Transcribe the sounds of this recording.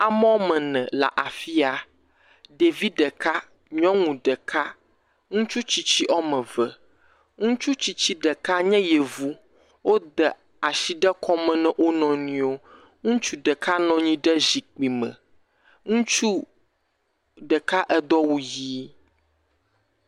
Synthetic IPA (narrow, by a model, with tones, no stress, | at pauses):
a˨mɔ̃˦mɛ̃˨nɛ̰̃˨la̰˨ʔa˨fi˦a˨ | ɖe˨vi˦ɖə˨ka˦ | ɲɔ̃˦ŋũ˨ɖə˨kʰa˦ | ŋũ˦t͡ʃu˦t͡ɕi˨t͡ɕi˦ʔɔ˦mə̃˨və˨ | ŋũ˦t͡ʃu˦t͡ɕi˨t͡ɕi˦ɖə˨ka˦ɲɛ̃˦jɛ˨vu˦ | wo˦d̪ə˨ | a˨ʃi˨ɖɛ˦kʰɔ˦mɛ̃˨nɛ̃˦ʔo˦nɔ̃˨nĩ˨o˦ | ŋũ˦t͡ʃu˦ɖə˨ka˦nɔ̃˨˦ɲĩ˦ɖə˦zi˨k͡pi˨mə̰̃˨ | ŋũ˦t͡ʃu˦ | ɖə˨ka˦ʔɛ˦d̪ɔ˦wu˦ji˦